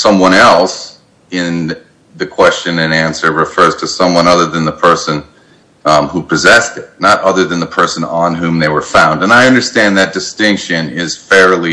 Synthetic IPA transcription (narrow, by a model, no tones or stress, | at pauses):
sʌ̃mwʌ̃ɾ̃ɛlˠs | ɪ̃n | ðɨkʰw̥ɛst͡ʃɨ̃nɨ̃næ̃nsə˞ɹɨfɜ˞z̥tʰɨsʌ̃mwʌ̃nʌðə˞ðɨ̃nðəpʰɜ˞sɨ̃n | hupʰɨzɛstɨt̚ⁿnəɾʔʌðə˞ðɨ̃nðəpʰɜ˞sɨ̃nə̃nɦʉ̃mðeɪwə˞fãʊ̃ndɨ̃naɪʌ̃ndə˞stæ̃nðɨt̚d̥ɨstɪ̃ŋkʃɨ̃nɪz̥fɛɹlˠi